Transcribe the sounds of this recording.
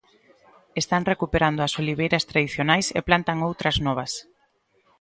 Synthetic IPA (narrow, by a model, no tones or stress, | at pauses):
est̪aŋrekupeɾand̪oɐsoliβ̞ejɾɐst̪ɾaðiθjonajsḛplant̪aŋowt̪ɾɐznɔβ̞ɐs